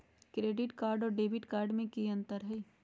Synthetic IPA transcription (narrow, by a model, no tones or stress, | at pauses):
kɾeːɖɪʈkaːɾɖɔːɾɖeːbɪʈkaːɾɖmẽkiə̃nt̪əɾɦɛː